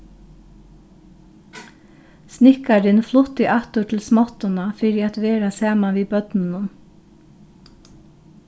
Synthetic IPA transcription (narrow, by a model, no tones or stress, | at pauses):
snɪkaɾɪnflʊt̪ːɪʔat̪ʊʈʰɪlsmɔt̪ʊnafɪːɾɪat̪ʋeːɾasɑːmaʋiːbœt̪nɪnʊn